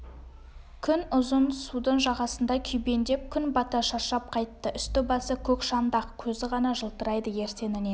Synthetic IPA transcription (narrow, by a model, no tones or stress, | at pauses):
kʲʰʏnʊzənsud̪əɴʒɑʁɑsənd̪ɑkʲʰʏjbe̞nd̪e̞p̚kʲʰʏnbɑt̪ɑʃɑʃɑp̚qʰɑjt̪ːəʔʏst̪ɪbɑsəkʲʰɵkʃɑnd̪ɑqkʲʰɵzɪʁɑnɑʒəlˠt̪əɾɑjd̪əje̞ɾse̞nɪne